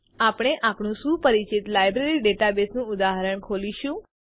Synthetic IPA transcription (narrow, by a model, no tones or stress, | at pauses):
apɽ̃eʔapɳũsũːpəɾit͡ʃit̪lajbɾeɾiɖeʈabesnũʊd̪aɦəɾəɳkʰoliʃũ